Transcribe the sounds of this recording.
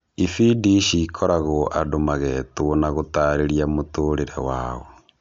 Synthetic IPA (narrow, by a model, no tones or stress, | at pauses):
ifidiʃikʰɔɾaɣoʔadomaɣɛtoonaɣotaːɾeɾiamotoːɾeɾḛwaːɣo